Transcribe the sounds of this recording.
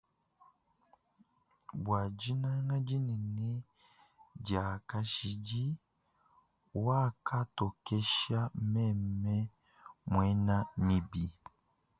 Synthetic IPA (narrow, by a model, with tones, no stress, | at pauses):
bwa˨d͡ʒi˦na˦ŋɡa˦d͡ʒi˦ni˨ne˦ | ɟa˨ka˦ʃi˨ɟi˦ | wa˦ka˦to˨ke˦ʃa˦mɛ˦˨mmɛ˦ | mwe˨˦na˦mi˨bi˨